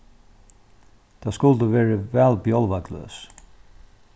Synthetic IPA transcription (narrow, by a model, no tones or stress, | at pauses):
d̪̥ɑːskʉld̪əʋeːɹəʋælbjɔlʋɑɡlø̰ːs